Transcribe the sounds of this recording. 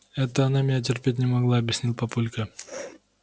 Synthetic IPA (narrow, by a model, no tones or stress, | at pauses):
ɛt̪əɐnamʲɪnʲat̬ʲɪrpʲet̬̚ʲnʲɪmɐɡlˠaɐbʲjɪsʲnʲilˠpɐpulʲkə